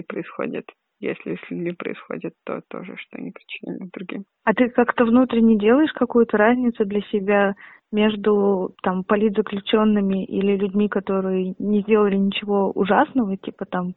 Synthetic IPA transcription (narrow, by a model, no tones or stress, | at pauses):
pɾəɪsxo̰dʲɪ̰t̪ | jḛsʲlʲɪsʲlʲʉdʲmʲipɾə̰ɪsxo̞̰dʲɪt̪ːo̞̰t̪o̞̰ʐɨ̰ʂt̪oɐ̰nʲipɾʲɪt͡ɕːɪnʲa̰d̪d̪ɾʊɡʲim | ɐt̪ɨkakt̪əvnut̪ɾʲɪnʲɪjdʲe̞lˠəjɪʂkɐkujʊt̪əɾazʲnʲɪt̪sʊd̪lʲɐsʲɪbʲa | mʲe̞ʐd̪ʊt̪ampɐlʲit̪zəklʲʉt͡ɕo̞nːɨmʲɪʔḭlʲɪlʲʉdʲmʲikɐt̪o̞ɾɨjənʲɪzʲdʲe̞lˠəlʲɪnʲɪt͡ɕɪvo̞ʊ̰ʐasnəvətʲipət̪am